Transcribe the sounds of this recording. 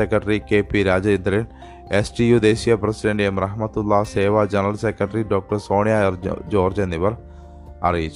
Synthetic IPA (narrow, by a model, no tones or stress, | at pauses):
ekɾɐʈɐɾikeːpiɾaːd͡ʑɐend̪ɾɐin | esɖijud̪eːsijɐpɾɐsiɖɐɳɖemrɐɦmɐt̪ulːaseːʋad͡ʑɐnɐɾɐlsekɾɐʈɐɾiɖoːk̚ʈɐɾsoːɳijaːjɐɾd͡ʑoːrd͡ʑenːiʋɐɾ | ɐ̰rijit͡ɕːu